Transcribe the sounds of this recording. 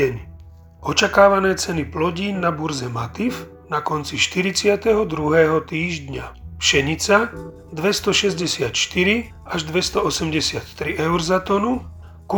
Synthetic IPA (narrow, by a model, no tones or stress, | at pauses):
ɛɲ | ɔt͡ʃakaːʋanɛːt͡sɛniplɔɟiːnːabuɾzɛmat̪if | nakɔnt͡siʃt̪iɾit͡sɪat̪ɛɦɔd̪ɾuɦɛːɦɔt̪iːʒd̪ɲapʃɛɲit͡sa | d̪ʋɛst̪ɔʃɛzɟɛsɪat̪ʃt̪iɾi | aʒd̪ʋɛst̪ɔɔsɛmɟɛsɪat̪ːɾiʔɛʊɾzat̪ɔnu | ku